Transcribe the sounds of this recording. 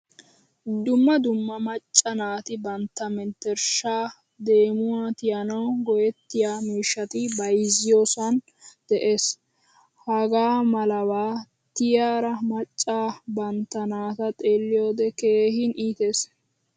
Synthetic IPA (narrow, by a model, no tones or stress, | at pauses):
d̪ʊmːɐd̪ʊmːɐmɐt͡ʃʼːɐnaːt̪ɪbɐnt̪ːɐmɛnt̪ːɛɾʃaː | d̪e̞ːmʊwaːt̪ɪjɐnɐwɡɔjɛt̪ːɪjaːmiːʃːɐt̪ɪbɐjzɪjoːsɐn | d̪̥ɛʔe̞ːs | hɐɡaːmɐlɐwaː | t̪ɪjaːɾɐmɐt͡ʃʼːaːbɐnt̪ːɐnaːt̪ɐt̪ʼe̞ːlːɪjo̞ːd̪ɛke̞ːhɪnʔiːt̪e̞ːs